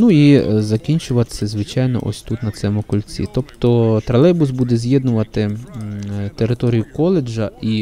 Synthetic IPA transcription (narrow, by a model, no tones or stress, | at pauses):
nuizɐkʲinʲt͡ʃʊʋɐt̪sʲɛzʋɪt͡ʃajnɔ̰ʔɔ̰sʲt̪ut̪nɐt̪sɛmʊkɔlʲt͡sʲḭt̪ɔpt̪ɔt̪ɾɐlˠɛbʊsbud̪ɛzʲjɛd̪nʊʋɐt̪ɪ | t̪eɾɪt̪ɔɾʲijʊkɔlˠed͡ʒɐi